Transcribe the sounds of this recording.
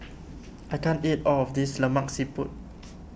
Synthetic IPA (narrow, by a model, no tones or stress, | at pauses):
ʔajkãntitɔlɔfdisləmãksiput̚